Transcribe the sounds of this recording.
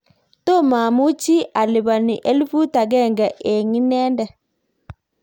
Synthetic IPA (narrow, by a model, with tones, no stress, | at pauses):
to˦ma˨mu˦t͡ʃi˦ʔa˨lɪ˨βa˨ni˨ʔɛ˦lfu˦ta˨ɡɛ˦˨ŋɡa˨ʔe˨ŋi˦nɛ˦ndɛ˨